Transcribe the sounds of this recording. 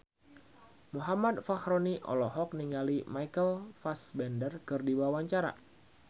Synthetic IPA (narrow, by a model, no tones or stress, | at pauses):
muɦamad̪̚fahɾoniʔɔ̰lɔɦɔk̚niŋɡalimaikəlfasbɛndərkɨrdiwawaɲt͡ʃaɾa̰